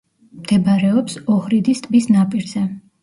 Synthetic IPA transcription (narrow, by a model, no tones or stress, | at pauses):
md̪̥ɛbaɾɛɔpsɔhɾid̪ist̪ʼbisnapʼiɾzɛ